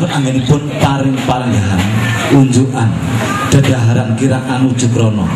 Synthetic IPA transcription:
ʊnaŋɡenipʊnpaɾɪŋpaɾaŋɡaɦan | uɲd͡ʒuʔan | ɖ̪̥ə̤d̪̥aɦaɾankiɾakanud̥ʒ̥ʊ̤kɾɔnɔ

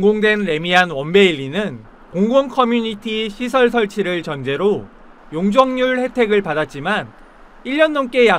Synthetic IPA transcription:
ŋɡoŋdwe̞nɾe̞mianwʌnbe̞iʎːinɯn | koŋɡoŋkʰʌmjuɲitʰiɕʰisʰʌɭsʰʌɭt͡ɕʰiɾɯɭt͡ɕʌnd͡ʑe̞ɾo | joŋd͡ʑʌŋɲuɭhe̞tʰe̞ɡɯɭpadat̚t͡ɕ͈iman | iʎːʌnːʌnk͈e̞ja

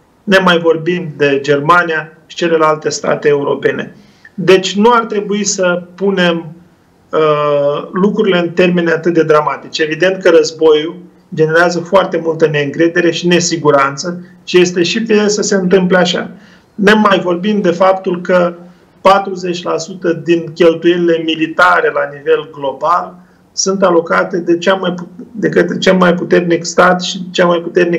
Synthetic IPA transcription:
ne̞majvo̞rbimd̪e̞d͡ʒe̞rmanijaʃi̥t͡ʃe̞le̞lalt̪e̞st̪a̰t̪eːuɾo̞̰pe̞ne̞̰ | d̪e̞t͡ʃʲnuart̪ɾe̞buisəpune̞m | ə | lukɾuɾile̞ɨnt̪e̞rmenat̪ɨt̪̚d̪e̞d̪ɾamat̪it͡ʃe̞vid̪e̞nt̪̚kəɾəzbo̞ju | d͡ʒe̞ne̞ɾeazəfoart̪e̞mult̪əne̞ɨŋkɾe̞d̪e̞ɾe̞ʃine̞siɡuɾant̪sə | ʃije̞st̪e̞ʃipiesəse̞ɨnt̪ɨmpleaʃa̰ | nemajvo̞rbimd̪e̞fapt̪ulkə | pat̪ɾuze̞t͡ʃʲlasut̪əd̪inkʲe̞lt̪ujenile̞milit̪aɾe̞lanive̞lɡlo̞bal | sunt̪alo̞kat̪e̞d̪e̞t͡ʃamajpud̪e̞kɨt̪t͡ʃelmajput̪e̞rnikst̪at̪ʃit͡ʃelmajput̪e̞rnik

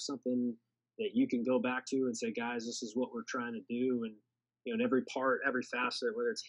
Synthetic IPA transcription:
sʌ̃mθɪ̃ŋ | ðɨt͡ʃɨkɨ̃nɡoʊbæk̚tʰʉə̃nseɪɡaɪzðɪsɨzwʌʔ̚wɪɹtʰɹ̥aɪɪ̃ŋtʰɨdɨə̃n | jɨnoʊɨ̃nɛvɹipʰɑɹɾɛvɹifæsɨt̚wə˞ɨts

